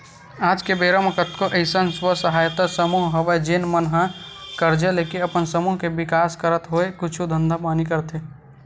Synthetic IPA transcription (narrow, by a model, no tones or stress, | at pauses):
aːd͡ʒkebeːɾəməkət̪koʔəɪsənswəsəɦaːjt̪asəmuɦɦəʋed͡ʒeːnmənɦãkəɾd͡ʒeleːkiəpənsəmuɦkebɪkaːskəɾət̪ɦoekʊt͡ʃʰud̪ʱə̃nd̪ʱapaːnikəɾt̪e